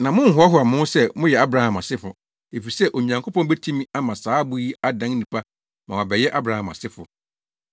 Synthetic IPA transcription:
nã˨mʊ̃˦ŋ̩˦ɦʊ˨˦a˦ɦʊ˨˦a˨mʊ̃˦n˦sɛ˦mʊ̃˦jɛ˨a˦bɾa˨hã˨mã˨sɪ˦fʊ˨ | e˨fi˨sɛ˦ʔo˨ɲã˨ŋkʰo˦pɔ̃˦bɛ˦tʰĩ˦mĩ˦a˦mã˨saː˨˦bʊ˦ji˦a˦dã˦n˦nĩ˨pʰa˦ | mã˨wa˨bɛ˨jɛ˦ʔa˦bɾa˨˦hã˨ma̰˨sɪ˦fʊ˨

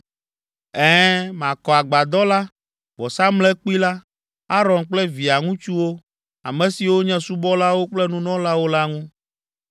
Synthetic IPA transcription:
ɛ̃˦mã˨kɔ˨a˨ɡ͡ba˨d̪ɔ˦la˦ | bɔ˨sa˦mlɛ˦k͡pu˦i˦la˦ | a˦ɾɔ̃˨nk͡plɛ˦vi˨a˨ŋũ˦t͡ʃu˦wo˦ | a̰˨mɛ̃˨si˨wo˦ɲɛ̃˦su˦bɔ˦la˦wo˦k͡plɛ˦nũ˦nɔ̃˦la˦wo˦la˦ŋũ˦

